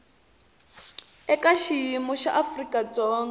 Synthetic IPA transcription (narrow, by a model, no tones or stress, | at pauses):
ɛkaʃiimɔʃaʔafrikʼad͡zɔːŋɡɛ